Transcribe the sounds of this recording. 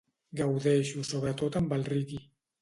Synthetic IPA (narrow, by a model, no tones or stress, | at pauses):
ɡawðeʃusoβ̞ɾat̪ot̪ambalriki